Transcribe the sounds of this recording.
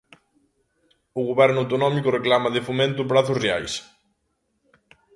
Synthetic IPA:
ʊɣoβɛɾnʊawt̪onɔmikʊreklamɐðɪfomẽnt̪ʊp̬ɾaθʊsrea̰js

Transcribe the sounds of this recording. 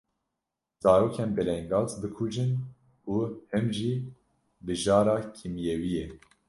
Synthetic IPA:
z̥ɑːɾoːkʰɛnbɛlɛŋɡɑːzbɨkʰud͡ʒɨn | uːhɨmʒiː | bɨʒɑːɾɑːkʰimjewijɛ

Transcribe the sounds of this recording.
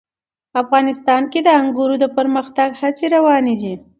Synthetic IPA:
afɣɑnɪst̪ɑnked̪əaŋɡuɾod̪əpəɾməxt̪aɡhat͡seɾawɑned̪i

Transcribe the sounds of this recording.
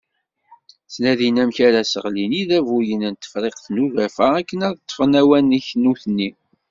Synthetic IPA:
t͡snæðinæmçæɾæsəʁliniðævujənənt̪ːə̥fɾˤeqθnuvæfəækːənæðt̪ˤːfnæwæniçnuθnːi

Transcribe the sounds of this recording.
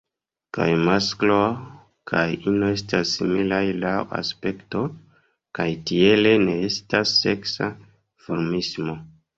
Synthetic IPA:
ka̰jmasklo | kʰajinoe̞stasːimilajlawa̰spe̞kto̞ | kajtie̞le̞ne̞estasːe̞ksa | foɾmismo̞

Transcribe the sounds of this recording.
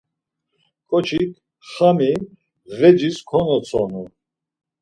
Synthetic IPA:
kʼɔt͡ʃʰikʰ | χami | vɛd͡ʒiskʰɔnɔt͡sʰɔnu

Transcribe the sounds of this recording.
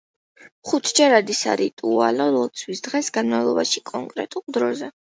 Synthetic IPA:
χut̪ʰd͡ʒɛɾad̪isa̰ɾit̪ʼualɔlˠɔt̪sʰwisd̪ʁɛsɡanmavlˠɔbaʃikʼɔŋkʼɾɛ̰t̪ʼulˠd̪ɾɔzɛ

